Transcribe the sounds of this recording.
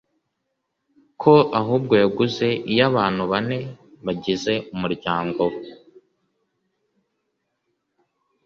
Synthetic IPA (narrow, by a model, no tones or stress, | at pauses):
kʰo̞ʔaɦuːb̚ɡo̞jaɡuze̞ʔijaβaːn̥huβane̞βaɟize̞ʔumuɾɟaːŋɡo̞